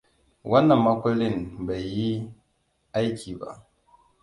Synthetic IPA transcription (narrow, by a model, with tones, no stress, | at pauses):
wʔɐ˦nːɐ˨mːɐ˦kʷʊ˦lɪ˦mba˨jːi˦ | ʔa˦jkʲʰiː˨ba̰˦ʔ